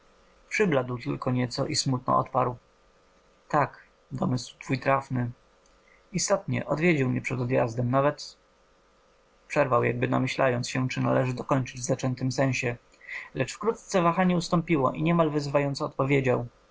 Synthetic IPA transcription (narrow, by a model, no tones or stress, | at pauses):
pʂɘblad̪wt̪ɘlkɔɲɛt̪sɔʔismut̪̚nɔ̰ʔɔ̰t̪paɾw | t̪ak | d̪ɔmɘswt̪fujt̪ɾafnɘ | ist̪ɔt̪ɲɛ̰ʔɔd̪vʲjed͡ʑiwmɲɛpʂɛd̪ɔd̪ja̰zd̪ɛmnavɛt̪ | pʂɛɾvawja̰ɡ̚bɘna̰mɘɕlajɔnt̪sɕɛt͡ʂɘnalɛʐɘd̪ɔkɔɲt͡ʂɘd͡ʑvzat͡ʂɛnt̪ɘmsɛ̃ɕɛ | lɛt͡ʂfkɾut̪t̪sɛvaxaɲɛust̪ɔmpʲiwɔʔiɲɛmalvɘzvajɔnt̪sɔːt̪̚pɔvʲjed͡ʑaw